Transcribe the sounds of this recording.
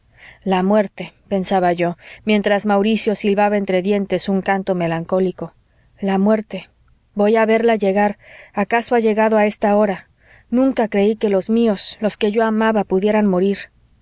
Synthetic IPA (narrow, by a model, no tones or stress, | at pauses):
lamwe̞ɾt̪e̞pe̞nsaβaʝo̞mje̞nt̪ɾazmawɾisjo̞silβaβaent̪ɾe̞ðje̞nt̪e̞suŋkant̪o̞me̞laŋko̞liko̞ | lamwe̞ɾt̪e̞ | bo̞jaβe̞ɾlaʝe̞ɣaɾakaso̞aʝe̞ɣaðoae̞st̪ao̞ɾa | nũŋkakɾe̞ike̞lo̞zmio̞slo̞ske̞ʝo̞amaβapuðje̞ɾanmo̞ɾiɾ